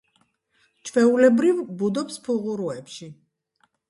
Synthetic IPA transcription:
t͡ʃʰvɛulɛbɾivbud̪ɔpspʰuʁuɾuɛpʃi

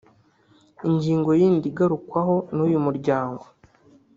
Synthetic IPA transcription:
iɲɟiːŋɡo̞jiːndiɡaɾukwaɦo̞nujumuɾɟaːŋɡo̞

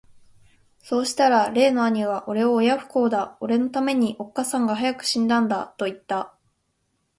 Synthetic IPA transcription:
so̞ːɕi̥t̪aɾaɾe̞ːno̞aɲ̟iβaʔo̞ɾe̞o̞ːjaɸɯ̟̥ko̞ːd̪ao̞ɾe̞no̞t̪ame̞ɲ̟iʔo̞kːasãŋɡaɦajakɯ̟̥ɕĩnd̪ãnd̪at̪o̞it̪ːa

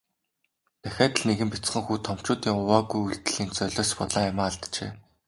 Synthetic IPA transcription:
t̪ʰæxʲaːt̪ɘ̆ɮneɣɘ̆mpʲit͡sχə̆ŋxuːt̪ʰɔm̥t͡ɕʊːt̪iːŋʊwaːɣujuɮt̪ɘ̆ɮ̥iːnt͡sœɮʲɔːspɔɮaːjamaːɮt̪t͡ɕḛː

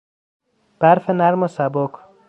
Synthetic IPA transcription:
b̥æɾfenæɾmosæbokʰ

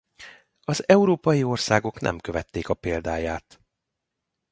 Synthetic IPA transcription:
ɒzɛuɾoːpɒjio̞rsaːɡo̞knʔɛ̰mkø̞vɛt̪ːeːkɒpeːld̪aːjaːt̪

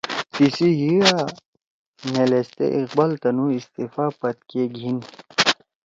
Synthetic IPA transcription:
t̪isiɦia | nelest̪ḛʔiqbalt̪ɐnuist̪ifaːpɐt̪̚keɡʱin

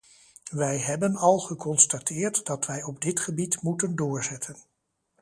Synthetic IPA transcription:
ʋɛjɦɛbənɑlˠχəkɔnstatɪːɹtdɑtʋɛjɔbdɪtχəbitmutəndʊːɹzɛtʰən

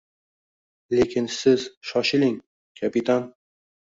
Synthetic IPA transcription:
lekʲʰɪnsɪz̥ʃɒʃɪlɪŋ | kʲʰapɪt̪ʰan

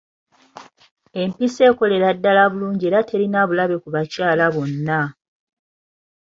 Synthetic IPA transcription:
e̞mpise̞ːko̞le̞ɾadːalaβuluːɲɟieːɾatʰe̞ɾinaβulaβe̞kuβacaːlaβo̞nːa

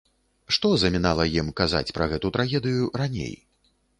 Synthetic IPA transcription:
ʂt̪ɔzɐmʲinalˠɐjimkaza̰t͡sʲpɾɐɣɛt̪ut̪ɾaɣʲɛd̪ɨjuɾanʲḛj

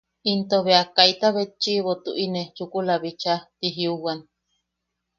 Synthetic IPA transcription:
int̪oβeakait̪aβet͡ʃiβot̪uʔinet͡ʃukulaβit͡ʃat̪iɦiuwan

